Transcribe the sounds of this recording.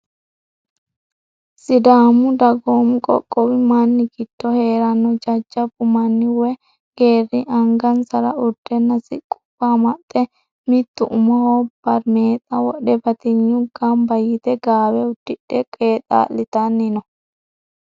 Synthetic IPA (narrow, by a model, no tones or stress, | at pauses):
sɪd̪aːmʊd̪ɐɡoːmkʼɔ̰kʼːɔwɪmɐnːɪɡɪd̪̥ːɔhe̞ːɾɐnːɔd͡ʒɐd͡ʒːɐbʊmɐnːɪwɛ | ɡ̥e̞ːrːɪʔɐŋɡɐnsɐɾɐʊd̪̥ːɛnːɐsɪkʼʊ̥b̥ːaːmɐt̪ʼːɛ | mɪt̪ːʊʔʊmɔhoːb̥ɐɾmeːt̪ʼɐwɔɗɛbɐt̪ɪnjʊɡambɐjɪt̪ɛɡaːwɛʊd̪̥ːɪɗɛkʼeːt̪ʼa̰ːlːɪt̪ɐnːɪnɔ